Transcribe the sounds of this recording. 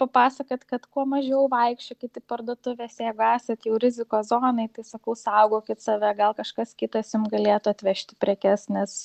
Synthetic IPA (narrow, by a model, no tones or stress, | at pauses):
pɐpɑːsɐkɐt̪kɐt̪kuɔmɐʒʲɛʊʋɐɪkʃʲt͡ʃʲokʲɪt̪ʲɪpɐrd̪uɔt̪ʊʋʲeːseːɡʊæːsʲɛt̪jɛʊɾʲɪzʲɪkoːzoːnɐɪt̪ɐɪsɐkɐʊsɐʊɡoːkʲɪt̪sɐʋʲɛɡɐlˠkɐʃkɐskʲɪt̪ɐsjʊmɡɐlʲeːt̪ʊɐt̪ʲʋʲɛʃʲt̪ʲɪ̥pʲɾʲɛkʲɛsnʲɛs